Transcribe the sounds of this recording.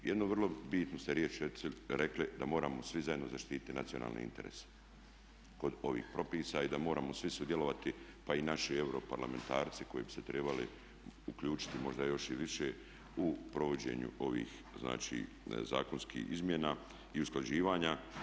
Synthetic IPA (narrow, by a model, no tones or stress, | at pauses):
jed̪noʋər̩lˠo̞biːt̪nost̪eɾjeːt͡ʃɾeɾekled̪amo̞ːɾamo̞sʋizajed̪nozaʃt̪iːt̪i̥t̪ina̰t̪siona̰ːlnḛḭnt̪e̞ɾḛːse̥ | ko̞d̪o̞ʋḭːxpɾo̞piːsaid̪amo̞ːɾaːmosʋisud̪jelo̞ʋat̪ipainaʃie̞wɾo̞paɾlame̞nt̪aːɾt̪se̥ko̞jebi̥se̞t̪ɾe̞balḛ | uklʎuːt͡ʃi̥t̪imo̞ʒd̪ajo̞ʃiʋiʃe | upɾo̞ʋo̞d͡ʑe̞̰ːɲṵʔo̞ʋḭːx | zna̰ːt͡ʃḭː | za̰ːko̞nskḭːizmʲjenaː | iusklad͡ʒiːʋaːɲa